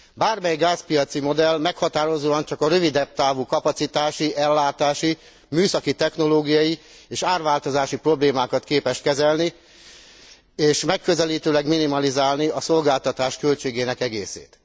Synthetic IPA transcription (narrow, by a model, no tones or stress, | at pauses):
baːrmɛjɡaːspijɒt̪simo̞d̪ɛlmɛkhɒt̪aːɾo̞zoːɒnt͡ʃɒkɒɾøvid̪ɛb̚t̪aːvukɒpɒt̪sit̪aːʃiʔɛlːaːt̪aːʃi | myːsɒkit̪ɛxno̞loːɡijɒji | eːʃaːrʋaːlt̪o̞zaːʃipro̞bleːmaːkɒt̪keːpɛʃt̪kɛzɛlni | eːʃmɛkːø̞zɛliːt̪øːlɛɡminimɒlizaːlniɒso̞lɡaːlt̪ɒt̪aːʃkø̞lt͡ʃeːɡeːnɛkɛɡḛːsḛːt̪